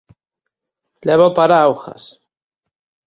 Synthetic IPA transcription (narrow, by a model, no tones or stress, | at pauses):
leβopaɾaawxa̰s